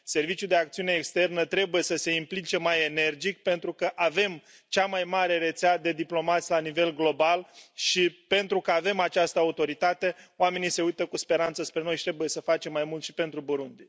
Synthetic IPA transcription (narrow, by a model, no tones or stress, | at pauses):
se̞rvit͡ʃjud̪e̞ak̚t̪siune̞ːkst̪e̞rnət̪ɾe̞buje̞səse̞implit͡ʃe̞maje̞ne̞rd͡ʒikpe̞nt̪ɾukəʔave̞m | t͡ʃamajmaɾe̞ɾe̞t̪sead̪e̞d̪iplo̞mat̪sʲlanive̞lɡlo̞balʃipe̞nt̪ɾukəave̞mat͡ʃast̪əaut̪o̞ɾit̪at̪e̞oame̞nise̞ujt̪əkuspe̞ɾant̪səspɾeojʃit̪ɾe̞buje̞səfat͡ʃe̞mːajmult̪ʃi̥pe̞nt̪ɾuboɾund̪i